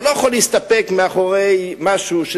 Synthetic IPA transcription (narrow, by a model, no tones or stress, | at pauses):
lojaχalːiist̪apekmeaχoʁejmaʃuʃe